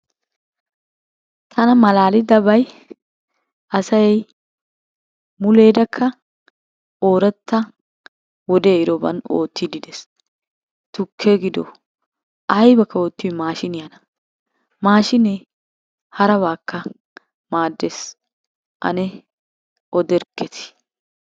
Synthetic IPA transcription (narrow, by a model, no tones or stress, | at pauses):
t̪ʰɐnɐmɐlaːlɪd̪ɐbɐj | ʔɐsɐjɛj | mʊle̞ːd̪ɐkʰːɐ | ʔo̞ːɾɛt̪ːɐ | wɔd̪eːɪɾɔbɐ̰no̰ːt̪ːɪd̪ɪd̪ɛs | t̪ʊkʰːeɡɪd̪ɔ̰ | ʔɐjbɐkʰːɐoːt̪ːɪwmaːʃɪnɪjɐnɐ | maːʃɪnɛ | hɐɾɐβaːkːɐ | maːd̪ːeːs | ʔɐ̰nɛ | ʔɔd̪ɛɾkːɛt̪ʰɪ̥